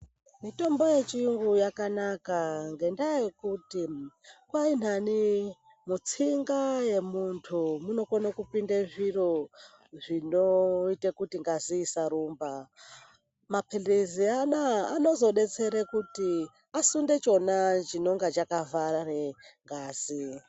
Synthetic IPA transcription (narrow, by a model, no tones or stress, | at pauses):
mito̞mbo̞je̞t͡ʃiuŋɡujakanakaŋɡe̞ndajekutikwain̤ani | mut͡siŋɡaje̞muntʰumuno̞konakupindeʐiro | ʐinoitekutiŋɡaziːsaɾuːmba | mapʰelezianaːno̞zo̞ɗe̞t͡se̞ɾekuti | asunde̞t͡ʃo̞nat͡ʃino̞ŋɡat͡ʃakavarareŋɡaːz̥i